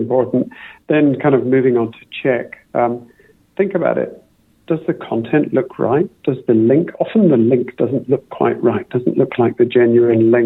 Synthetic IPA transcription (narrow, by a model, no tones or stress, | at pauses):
mpʰɔɹʔn̩ðɨ̃nkʰãɪ̃ndʌvmʉvɪ̃ŋə̃ntʰɨ̥t͡ʃʰɛk | ʔʌ̃m | θɪ̃ŋkɨbaʊɾɪ̰t̚ | d̥ʌzðɨkʰɑ̃ntʰɛ̃nʔlʊkʰɹa̰ɪt̚d̥ʌzðɨlɪ̃ŋkʰɑfn̩ðəlɪ̃ŋk̚d̥ʌz̃n̩ʔlʊkʰw̥a̰ɪʔ̚ɹaɪt̚d̥ʌzn̩ʔlʊkʰlaɪk̚ðɨd͡ʒɛ̃njʉɨ̃nlɪ̃ŋ